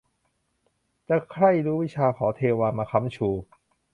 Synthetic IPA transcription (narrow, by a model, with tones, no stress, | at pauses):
t͡ɕa˧˩kʰɾa˥˩jɾuː˦˥wi˦˥t͡ɕʰaː˧kʰɔː˩˦t̪ʰeː˧waː˧maː˧kʰa˦˥mt͡ɕʰuː˧˩